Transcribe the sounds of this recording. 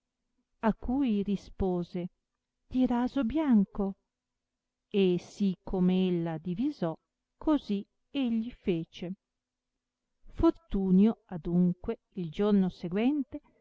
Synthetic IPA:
akːujɾispoːze | d̪̥iɾaːzobjaŋko | esikʰːomeelːad̪ivizɔ | kʰozi | eʎːifeːt͡ʃe | fort̪uːnjoad̪uŋkwe | ild͡ʒornoseɡwɛnt̪e

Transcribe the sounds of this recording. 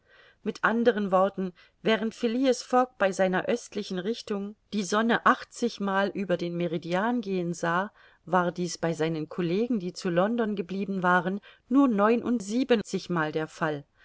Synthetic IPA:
mɪtʔandəʁ̞ənvɔɐtn̩ | vɛːʁ̞əntfɪliːəsfɔk̚b̥aɪzaɪnɐʔœstlɪçn̩ʁɪçtʊŋd̥iːzɔnəʔaχt͡sɪçmaːlʔyːbɐdeːnmeʁidiaːnɡeːənzaː | vaːɐdiːsb̥aɪzaɪnənkʰɔleːɡŋ̩diːt͡sulɔndɔnɡəbliːbn̩vaːʁənː | uːɐnɔʏnʔʊ̰ntz̥iːbənt͡sɪçmaːldeːɐfal

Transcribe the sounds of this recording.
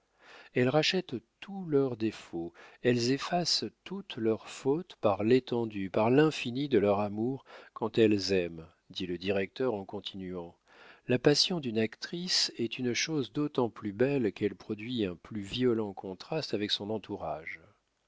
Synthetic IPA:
ɛlʁaʃɛt̪t̪ulœʁd̪efoɛlzefast̪ut̪lœʁfot̪paʁlet̪ɑ̃d̪ypaʁlɛ̃finid̪əlœʁamuʁkɑ̃t̪ɛlzɛm | d̪iləd̪iʁɛk̚t̪œʁɑ̃kɔ̃t̪ʰinyɑ̃ | lapasjɔ̃d̪ynakt̪χisɛt̪ynʃozd̪ot̪ɑ̃plybɛlkɛlpχɔd̪ɥiɛ̃plyviɔlɑ̃kʰɔ̃t̪χast̪avɛksɔ̃nɑ̃t̪ʰuʁaʒ

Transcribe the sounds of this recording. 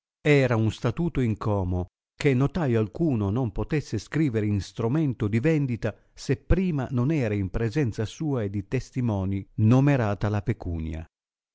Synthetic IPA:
ɛːɾaunst̪at̪uːt̪oiŋkʰɔːmo | kenːot̪ajalkuːnonompot̪ɛsːeskɾiːveɾeinst̪ɾumɛnt̪od̪ivɛnd̪it̪a | sepːɾiːma̰nonɛːɾaimpɾezɛnt̪sasuːaed̪ːit̪est̪imɔːninomeɾaːt̪alapekṵːnja̰

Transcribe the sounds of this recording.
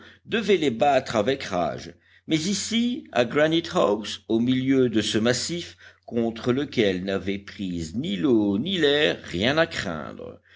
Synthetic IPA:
d̪əvɛlebat̪χavɛkʁa̰ʒ | mɛzisia̰ɡʁanit̪hawsomiljød̪əsəmasifkɔ̃t̪χələkʲɛlnavɛpχiznilonilɛʁːjɛ̃nakχɛ̰̃d̪ʁə̰

